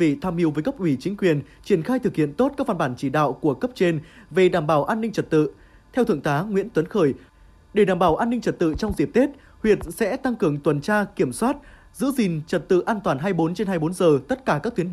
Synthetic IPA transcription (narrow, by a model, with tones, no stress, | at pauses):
ḭ˧˨t̪ʰaː˧mhi˨˦əwvəː˨˦jkə˦˥p̚ʔwi˧˩t͡ɕï˨˦ŋ̟kwi˨˩ənt͡ɕi˧˩ənxaː˧jt̪ʰɨ˨˩k̚hḭ˧˨ənt̪o˦˥t̚kaː˦˥k̚va˧ɓaː˧˩nt͡ɕi˧˩ɗa̰ː˧˨wku˧˩əkə˦˥p̚t͡ɕe˧nve˨˩ɗaː˧˩mɓaː˧˩wʔaː˧nːï˧ŋ̟t͡ɕə˨˩t̚t̪ɨ̰˧˨ | t̪ʰɛ˧wt̪ʰɨ˧˨əŋt̪aː˨˦ŋwi˧˥ənt̪wə˨˦nxəː˧˩j | ɗe˧˩ɗaː˨˩mɓaː˧˩wʔaː˧nːï˧ŋ̟t͡ɕə˨˩t̚t̪ɨ̰˧˨t͡ɕɔ˧wŋ͡mzi˨˩p̚t̪e˦˥t̚ | hwi˨˩ət̚sɛ̰˧˥t̪a˧ŋkɨ˨˩əŋt̪wə˨˩nt͡ɕaː˧ki˧˩əmswaː˦˥t̚ | zɨ̰˧˥zi˨˩ŋt͡ɕə˨˩t̚t̪ɨ̰˧˨ʔaː˧nt̪waː˨˩nɦaː˧jɓo˨˦nt͡ɕe˧nɦaː˧jɓo˨˦nzəː˨˩t̪ə˦˥t̚kaː˧˩kaː˦˥k̚t̪wə˦